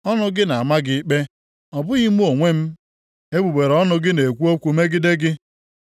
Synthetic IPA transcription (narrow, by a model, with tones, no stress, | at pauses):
ɔ˦nʊ˦ɡɪ˦na˨a˨ma˦ɡɪ˦k͡pe˦ | ɔ˨bʊ˦ɣi˦mu˦o˨ŋʷe˦m̩˦ | e˦bu˨be˨ɾɔ˦nʊ˨ɡɪ˦ne˨kʷu˦o˦kʷu˨me˦ɡɪ˦dɪ˦ɡɪ˦